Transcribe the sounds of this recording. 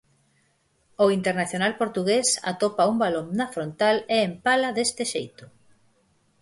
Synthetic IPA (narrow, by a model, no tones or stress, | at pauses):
oint̪eɾnaθjonalpoɾt̪uɣesa̰t̪opaumbaloŋnɐfɾont̪aleːmpalɐðest̪ɪʃejt̪ʊ